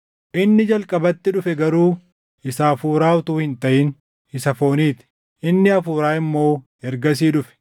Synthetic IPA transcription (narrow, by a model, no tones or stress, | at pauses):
ʔɪnːɪd͡ʒɐlkʼɐbɐt̪ːɪᶑʊfɛɡɐɾuː | ʔɪsaːfuːɾaːʊt̪uːhɪnt̪ɐʔɪn | ɪsɐfo̞ːniːt̪ɪ̥ | ʔɪnːɪɐfuːɾaːɪmːo̞ː | ɛɾɡɐs̬iːᶑʊfɛ̥